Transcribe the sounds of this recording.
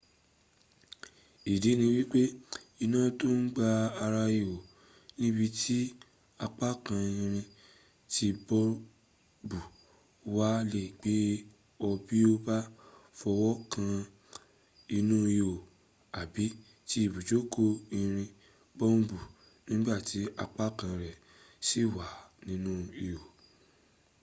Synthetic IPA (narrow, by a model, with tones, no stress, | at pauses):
i˨de˨˦nĩ˧wi˦k͡pe˦i˧nãː˦˨to˦n̩˦ɡ͡ba˧a˧ɾa˧jo˨ | nĩ˦bi˧tʰi˦ | a˧k͡pa˦kã˧ĩ˧ɾ̃ĩ˧ | ti˧bɔ˦ | bu˨ | wa˦le˦˨ɡ͡be˨˦ | ɔ˧bi˦o˦ba˦fɔ˧wɔ˦kʰã˧ | i˧nũ˦i˧jo˨ | a˨bi˨˦ | ti˦i˦˨bu˨d͡ʒo˨˦kʰo˦i˧ɾ̃ĩ˧ | bɔ˦ũ˦bu˨ | nĩ˦ɡ͡ba˦˨ti˨˦a˧k͡pa˦kã˧ɾɛ˨ | si˦˨wa˨˦nĩ˦nũ˦i˧jo˨